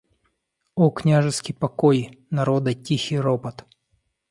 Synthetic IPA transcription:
oknʲaʐɨskʲɪjpɐkojnɐɾod̪ɐtʲixʲɪɾopɐt̪

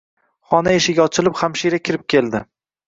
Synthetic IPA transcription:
χɒnaeʃɪɡʲaɒt͡ʃʰɪlɪpχamʃiɾakʲʰɪɾɪp̚kʲʰe̞lˠd̪ɪ

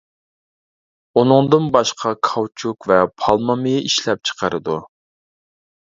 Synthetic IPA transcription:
unɨŋd̪ɨnbɑʃqʰɑkʰɑwt͡ʃʰukvɛpʰɑlˠmɑmijʔiʃlɛp̚t͡ʃʰə̥qʰəɾɨd̪u

